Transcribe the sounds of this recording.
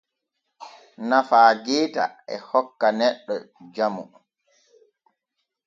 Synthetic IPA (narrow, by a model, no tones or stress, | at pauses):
nafaːɡɛːta̰ɛ̰hɔkːanɛɗːɔd͡ʒamṵ